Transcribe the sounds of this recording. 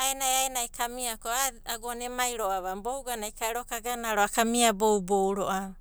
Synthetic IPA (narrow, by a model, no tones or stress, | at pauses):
ajnajajnajkʰamiakoaaɡonemajɾoaβambowɡanajkaeɾokaɡanaaɾoakamiabowbowɾoʔa